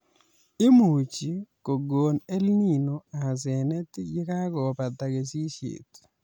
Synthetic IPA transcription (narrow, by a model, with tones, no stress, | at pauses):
ɪ˦mu˨t͡ʃi˨ko˨ɡo˨ne˦lni˦˨no˨a˨s̬ɛ˨nɛ˦t̪ɡɪ˦ka˦kɔ˨pa˨t̪a˨ɡe˨si˦ʃḛ˨t̪